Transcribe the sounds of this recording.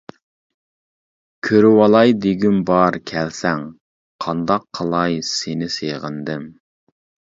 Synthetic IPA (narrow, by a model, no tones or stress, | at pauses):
kʲʰøɾywɑlˠɑjd̪eɡʲymbɑɾkʲʰɛlsɛŋ | qʰɑnd̪ɑqʰːəlˠɑjsenɪseʁənd̪ɪm